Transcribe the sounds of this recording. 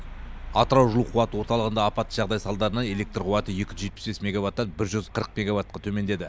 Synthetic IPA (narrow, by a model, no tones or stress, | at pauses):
ɑt̪əɾɑwʒəlˠuqʰuwɑt̪əwo̞ɾt̪ɑlˠəʁənd̪ɑːpɑt̪ʒɑʁd̪ɑjsɑlˠd̪ɑɾənɑne̞le̞k̚t̪rqʰʊwɑt̪əje̞kʲɪʒet̪̚pɪ̥sbe̞smʲeɡavat̪ːɑnbɪɾʒʏzqʰəɾəq̚mʲeɡavat̪̚qɑt̪ʰɵme̞nd̪e̞d̪ɪ